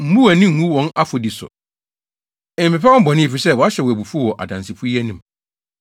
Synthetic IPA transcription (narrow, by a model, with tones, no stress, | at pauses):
m̩˦bu˦æ˨nɪ̃˦m̩˨mũ˦wɔ̃˨˦na˦fo˨di˨sʊ̰˨ | ɛ̃˨m̩˨pɛ˨pʰɛ˦wɔ̃˦bɔ˨nɪ̃˦e˨fi˨sɛ˦˨wɔ˨a˦ɕɛ˨wɔ˨æ˨bu˨fu˦wɔ˨ʔa̰˨dã˨nsɪ˨fu˦i˦æ˦nĩ˨m˨